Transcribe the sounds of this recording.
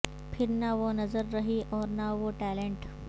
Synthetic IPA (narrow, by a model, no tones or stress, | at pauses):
pʰɪɾnaʋonɐzəɾːəɦiʔɔːɾnaʋoʈæleɳʈ